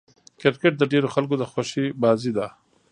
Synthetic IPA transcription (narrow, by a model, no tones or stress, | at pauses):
kɪɾkeʈ̚d̪əɖeɾoxalkod̪əxwaʃibɑzid̪a